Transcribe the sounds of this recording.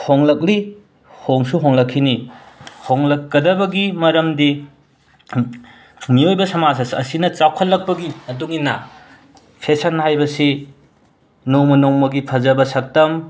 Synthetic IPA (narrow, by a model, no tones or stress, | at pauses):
hoŋlɐk̚ɾi | hoŋsuɦoŋlɐkʰːinihoŋlɐkːɐdɐbɐɡimɐɾɐmdi | miojbɐsɐmasɐsɐ̰sinɐt͡ʃawkʰɐlːɐk̚pɐɡiɐduŋinɐ | pʰesɐnhajbɐsi | nowmɐnowmɐɡipʰɐzɐbɐsɐk̚tɐm